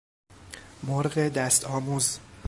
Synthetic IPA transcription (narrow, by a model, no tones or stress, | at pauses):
moɾɢed̪æst̪ʰɒːmuːz